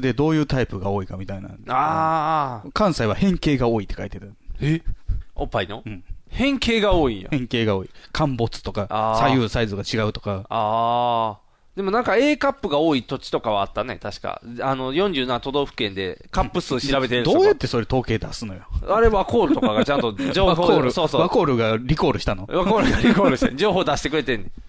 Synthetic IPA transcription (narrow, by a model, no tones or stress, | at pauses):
d̪e̞d̪o̞ːjɯ̟ːt̪aipɯ̟ɡaoːikamʲit̪aina̰a | kãɰ̃saiβahẽ̞ŋke̞ːɡao̞ːit̪ːekait̪et̪a | opːaino̞ɯ̟̃ɴhẽ̞ŋke̞ːɡao̞ːĩjo̰ẽ̞ŋke̞ːɡao̞ːikʰãmbo̞t͡sɨ̥t̪o̞kaaːsajɯsaizɨɡat͡ɕiɡaɯ̟t̪o̞̥kaaː | d̪̥e̞mo̞nãŋkae̞ːkapːɯ̟ɡao̞ːit̪o̞t͡ɕi̥t̪o̞kaβaːt̪ːane̞̰t̪aɕi̥ka̰ano̞jõ̞ɲ̟d͡ʑɨːnãnt̪o̞d̪o̞ːɸɯ̟̥kẽ̞nd̪e̞̰kapːɯ̟sɨːɕiɾabe̞t̪eɯ̃d̪o̞ːjat̪ːe̞so̞ɾe̞t̪o̞ːke̞ːd̪asɨno̞joaɾe̞βako̞ːɾɯ̟t̪o̞kaɡat͡ɕãnt̪od͡ʑoːβaooɾɯsosoβako̞ːɾɯ̟ɡaɾʲiko̞ːɾɯ̟ɕi̥t̪anoβakoːɾɯɡaɾʲikoːɾɯɕied͡ʑo̞ːɦo̞ːd̪aɕi̥t̪ekɯ̟ɾe̞t̪ẽne